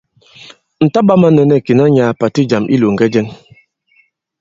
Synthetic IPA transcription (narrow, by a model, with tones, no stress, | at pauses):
n̩˨ta˦ɓa˦ma˦nɛ˨nɛ˨ki˨na˦ɲaː˨pa˨ti˦d͡ʒa˨mʔḭ˦lo˨ŋ̩˨ɡɛ˦d͡ʒɛ˦n